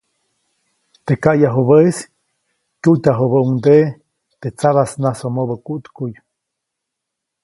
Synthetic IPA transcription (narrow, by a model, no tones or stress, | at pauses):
t̪ekajaɦoβəis | kʲut̪ʲaɦobəuŋd̪e | t̪et͡saβasnasomobəkuʔt̪kuj